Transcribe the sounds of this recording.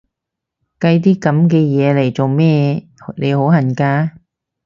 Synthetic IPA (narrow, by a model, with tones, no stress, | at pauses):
kɐ˧jt̪̬iː˥kɐ˨˥mk̬ɛː˧jɛː˨˧le˨˩jt͡so˨wmɛː˥le˨˧jho˨˥whɐ˨˩nkaː˧